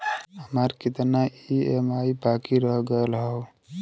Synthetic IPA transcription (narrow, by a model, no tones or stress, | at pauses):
ɦəməɾkɪt̪naiemaibakiɾəɦɡəelɦəw